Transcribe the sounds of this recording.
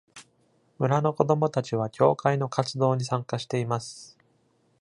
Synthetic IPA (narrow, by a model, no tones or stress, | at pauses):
mɯ̟ɾano̞ko̞d̪o̞mo̞t̪at͡ɕiβ̞akʲʰo̞ːkaino̞kat͡sɨd̪o̞ːɲ̟isãŋkaɕi̥t̪e̞imasɨ̥